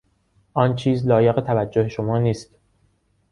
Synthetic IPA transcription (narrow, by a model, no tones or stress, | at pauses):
ʔɒːnt͡ʃʰiːzlɒːjeɣet̪ʰævæd͡ʒːohe̞ʃomɒːniːst̪